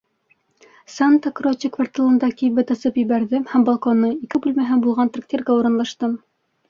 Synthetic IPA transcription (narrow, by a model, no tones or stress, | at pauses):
sant̪akrot͡ɕikvart̪ʲɑlˠɤ̆nd̪ɑkijβɘt̪ɑsɤpjɘ̆βæɾðɘmhæmbɑlˠkonːɤikɘbʉlmæɦænbulˠʁɑnt̪rak̚t̪ʲirɡæuɾɤ̆nlˠɑʃt̪ɤm